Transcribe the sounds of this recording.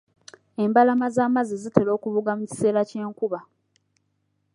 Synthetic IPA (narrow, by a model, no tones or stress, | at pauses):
e̞mbalamazaːmazizite̞lo̞ːkuβuɡamuci̥se̞ːɾace̞ːŋkuβa